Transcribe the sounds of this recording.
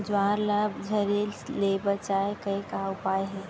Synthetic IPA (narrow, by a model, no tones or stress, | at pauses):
d͡ʒwaːɾlabd͡ʒʱɐɾeːlsleːbət͡ʃaekɐikaʊpaːjɦɛː